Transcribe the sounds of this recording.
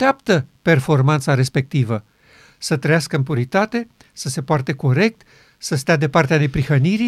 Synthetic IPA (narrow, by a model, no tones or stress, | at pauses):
eapt̪əpe̞rfo̞rmant̪saɾe̞spe̞k̚t̪ivə | sət̪ɾəjaskəɨmpuɾit̪at̪e̞ | səse̞poart̪eko̞ɾe̞k̚t̪ | səst̪ead̪e̞part̪eane̞pɾixəniɾi